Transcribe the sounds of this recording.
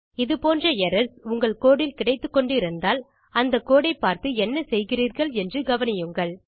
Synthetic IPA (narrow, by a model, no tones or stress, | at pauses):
ɪðɯpoːndrɐɛɾɐɾsʊŋɡɐɭkoːɽɪlkɪɽɐɪt̪ːɯkːɔɳɖɪɾɯnd̪aːl | ɐnd̪ɐkːoːɽɐɪpːaːɾt̪ɯɛnːɐsɛjɣɪriːɾɣɐɭɛndrɯɡɐʋɐnɪjɯŋɡɐɭ